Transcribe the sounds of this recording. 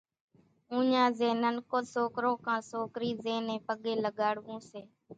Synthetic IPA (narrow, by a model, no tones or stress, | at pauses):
ũːɲãːzeːnənkoːsoːkɾõːkãːsoːkɾiːzeːnẽːpəɠeːləɠaːɽʋũːseː